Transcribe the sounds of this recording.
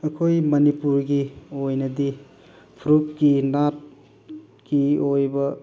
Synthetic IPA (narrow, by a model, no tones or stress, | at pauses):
ɐkʰojmɐnipuɾɡiojnɐdi | pʰɾup̚ɡinat̚ | ɡ̥iojbɐ